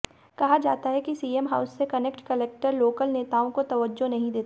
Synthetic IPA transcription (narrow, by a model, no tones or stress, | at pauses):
kɐɦad͡ʒaːt̪aɦɛkisiːemɦaʊsːekɐnekʈkɐlek̚ʈəɾloːkəlneːt̪aːõkot̪ɐʋəd͡ʒːonɐɦĩd̪eːt̪a